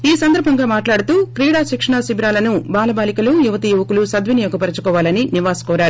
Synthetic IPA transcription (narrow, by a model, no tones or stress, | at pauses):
iːsɐnd̪ɐɾbʱɐŋɡaːmaːʈlaːɽut̪uːkɾiːɽaːʃikʂɐɳɐsibɾaːlɐnubaːlɐbaːlikɐlujuʋɐt̪ijuʋɐkulusɐd̪ʋinijoːkɐpɐɾɐt͡ʃu̥kɔːʋaːlɐniniʋaːsɐ̥kɔːɾaːɾu